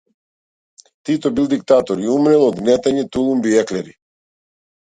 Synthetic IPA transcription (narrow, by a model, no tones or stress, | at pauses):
t̪it̪ɔbilˠd̪ik̚t̪at̪ɔɾiumɾɛlˠɔd̪ɡnɛt̪aɲɛt̪ulˠumbiɛklɛɾi